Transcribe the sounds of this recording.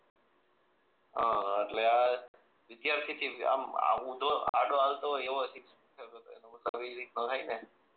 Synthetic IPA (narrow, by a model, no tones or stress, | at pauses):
ɦa̰eʈlea | ʋɪd̪jaɾt̪ʰit̪ʰia̰ma̰ũnd̪ʱoa̰ɖoalt̪oeʋosit̪ | kʰeʋot̪o̰ḛnosa̰ʋid͡ʒɾit̪nõt̪ʰaine